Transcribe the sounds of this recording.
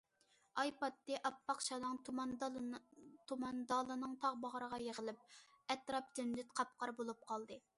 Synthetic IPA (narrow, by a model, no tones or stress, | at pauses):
ɑjpɑt̪ːɨʔɑpːɑqt͡ʃɑnɨŋm | t̪ʰumɑnd̪ɑlˠɨnɨŋt̪ʰɑʁbɑʁəɾəʁɑjeʁəlˠɪp̚ | ɛt̪ɾɑp̚t̪ʰynd̪yt̪qʰɑp̚qɑɾbolˠup̚qʰɑlˠd̪ɨ